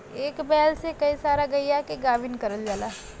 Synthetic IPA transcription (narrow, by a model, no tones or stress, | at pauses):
eːkbɛːlsekɐisaːɾaɡɐijakiɡaːʋinkɐɾəld͡ʒaːlaːɦ